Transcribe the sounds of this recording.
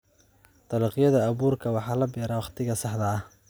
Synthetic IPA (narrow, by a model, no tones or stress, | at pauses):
t̪ɑlɑːqjɐðɐːβuːrkʰɐwɑħɑːlɐbɛːɾaːwɑχt̪ʰɪɣɐsɑħd̪ɐːh